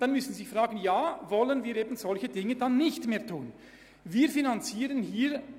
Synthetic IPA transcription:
d̥anmʏsn̩zɪçfʁ̥aːɡənjaːvɔlənviːɾeːbn̩z̥ɔlçədɪŋədanːɪçtmeːɐtʰuːn | viːʁfinant͡siːʁənhiː

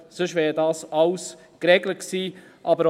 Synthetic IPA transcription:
sʏʃʋɛːɾdɑːsɑws | kɾɛɡləχksiː | ʔɑbəɾ

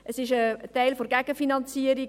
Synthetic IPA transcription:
əsɪʃətæɪlfoɾɡæɡ̥əfinɑnt͡siəɾi

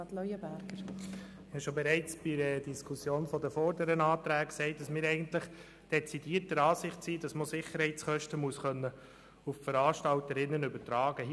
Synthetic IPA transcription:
ɑtlœjəbæɾɡ̥əɾ | ɪhɑʃobɛɾɛɪt͡sb̥ɪdədiskʰusjoːnfɔdəfoːɾdəɾənɑːtɾæːkksɛɪt̚d̥ɑsmɪːɾɛɪɡəntlɪχ | d̥ɛt͡sid̥iːəɾtəɾɑːsɪχtsiːdɑsmosɪχəɾhɛɪt͡sχœʃtəmuəsχœnːə | uffəɾɑːʃtɑltəɾɪnːənʏbəɾtɾɑːɡə

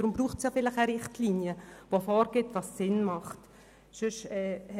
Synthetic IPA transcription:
ɾʊmbɾuːχtsjɑːfɪlɪχɛɾɪχtliːnjəʋofɔːɾɡ̥ɪtʋɑssɪnmɑχt | sʏʃɛːh

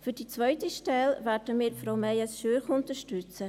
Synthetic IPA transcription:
fyɾd̥it͡svœʏtiʃtɛlvɛːɾdəmiːɾfɾoʊmɛjəsʃøːɾχʊntəʃtʏt͡sə

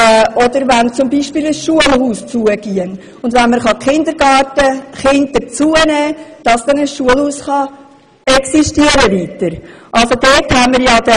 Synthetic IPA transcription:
ɔd̥̪əɾvænt͡sʊmbiʃpiːləsʃuəlhuːst͡suəɡ̥iən | ʊndʋænməχɑkχɪnd̪əɾɡ̥ɑːtəχɪndət͡suənɛːd̥ɑsd̥ɛnəsʃuəlhuːsχɑ | ɛksiʃtiəɾəʋiːtəɾʔɑlsod̪eːthæmːəɾjɑd̥̪ɛ

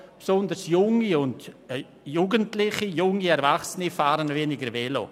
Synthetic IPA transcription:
psɔndəɾsjʊŋiʊnd | juːɡəntlɪχijʊŋiɛɾvaχsənifaːɾənvenɪɡəɾvɛlo̰

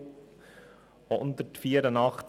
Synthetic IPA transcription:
oʔʊnt̪ətfiːəɾənɑχt

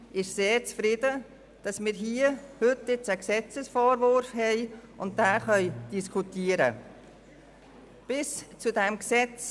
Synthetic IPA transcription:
ʔɪʃseːɾt͡sfɾɪdə | d̥ɑsmɪːɾɦiːəhʏtɪt͡səksɛt͡səsfɔːɾvʊɾfhɛɪ | ʊnt̚daːχœʏd̥iskʰutʰiːəɾə̰ | b̥ɪst͡sudɛmksɛt͡s

